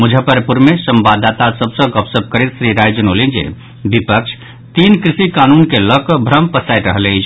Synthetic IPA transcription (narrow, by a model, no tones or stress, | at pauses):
mud͡ʒʱəpəɾpuɾmesəmbad̪at̪asəbsə̃ɡəpsəb̚ʱkəɾit̪sɾiɾajd͡ʒənolind͡ʒḛ | bipəkt͡ʃʰ | t̪inkɾisikanunkeləkbʱɾəmpəsajt̪ɾəɦlɛjt͡ʃʰ